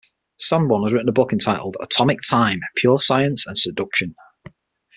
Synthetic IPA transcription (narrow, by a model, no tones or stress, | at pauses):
sʌ̃mwʌ̃nəzɹɪʔn̩əbʊkɪ̃ntʰaɪʔl̩ˠdə̰tʰɒmɪk̚tʰãɪ̃mpʰj̥ɔːsaɪə̃nsə̃nsədʊkʃə̃n